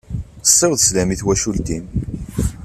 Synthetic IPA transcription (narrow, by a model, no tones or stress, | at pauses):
əsˤːewðˤslæmiθwæʃult̪im